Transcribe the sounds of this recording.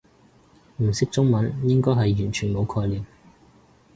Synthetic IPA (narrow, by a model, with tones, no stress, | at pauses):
m̩˨˩sɪ˥k̚t͡sʊ˥ŋmɐ˨˥njɪ˥ŋkɔː˥jɦɐ˨jːyː˨˩nt͡ʃʰyː˨˩nmo˨˧wkʰɔː˧jliː˨m